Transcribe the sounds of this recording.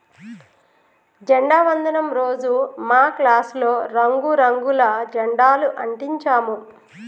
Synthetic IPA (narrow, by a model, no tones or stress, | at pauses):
d͡ʒɐɳɖaːʋɐnd̪ʱɐnɐmɾoːd͡ʒumaːklaːslo̞ːɾɐŋɡuɾɐŋɡulɐd͡ʒɐɳɖaːluʔɐɳʈiɲt͡ʃaːmu